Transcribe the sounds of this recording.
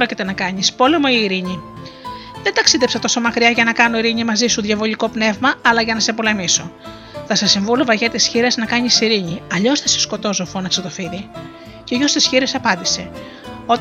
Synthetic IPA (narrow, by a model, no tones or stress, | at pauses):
ɾocit̪e̞nɐkɐɲispo̞le̞mo̞iːɾiɲi | ðent̪ɐksiðe̞psɐt̪o̞so̞mɐkɾiɐʝɐnɐkɐnoiɾiɲimɐzisuðʝɐvo̞ʎiko̞pne̞vmɐɐlɐʝɐnɐsepo̞le̞miso | θɐsɐsiɱvulovɐʝet̪isçiɾeznɐkɐɲisiɾiɲiɐʎo̞sθɐse̥sko̞t̪o̞zofonɐkset̪o̞fiði | ceoʝost̪isçiɾesɐpɐnd̪ise̞ | o̞t̪